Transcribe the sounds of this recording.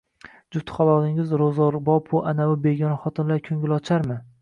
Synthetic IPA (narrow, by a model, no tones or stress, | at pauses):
d͡ʒʊt̪ʰχɒlˠɒd̪ɪŋɪzɾozɒɾbɒpʰʊʔanaʊbeɡʲɒnaχɒt̪ʰɪnlaɾkʲʰɵŋʲɪlˠɒt͡ʃʰaɾmɪ